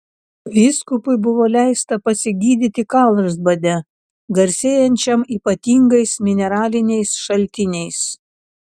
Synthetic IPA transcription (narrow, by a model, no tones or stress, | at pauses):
ʋʲiːskʊpʊɪbʊʋoːlʲæˑɪst̪ɐpɐsʲɪɡʲiːd̪ʲɪt̪ʲɪkɑˑlˠɾzbɐd̪ʲɛ | ɡɐɾʲsʲeːjɛnʲt͡ʃʲɛmiːpɐt̪ʲiːŋɡɐɪsmʲɪnʲɛɾɑːlʲɪnʲɛɪsʃɐlʲt̪ʲɪnʲɛɪs